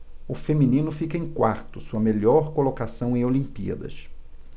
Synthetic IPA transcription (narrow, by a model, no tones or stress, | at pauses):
ʊfemĩnĩnʊfikɐẽj̃kwaɾt̪ʊsuɐmeʎɔɾkolokasɐ̃w̃ẽj̃olĩpḭɐ̰d̪ɐ̰ʃ